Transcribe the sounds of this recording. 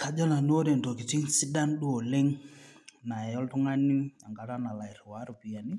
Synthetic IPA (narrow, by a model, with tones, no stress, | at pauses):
ka˨d͡ʒɔ˦na˨n˦o˦ɾe˨ndɔ˨ki˨t͡ʃi˦ŋsi˦da˦nɗu˦o˨lɪ˦ŋ | na˨ɛ˨jɔ˦ltʊ˦ŋa˦nɪ˦a˨ŋɡa˨ɾa˦na˨la˨ɪ˨ɾɪ˨wa˨˦ɾʊ˨pi˨ja˨ni˦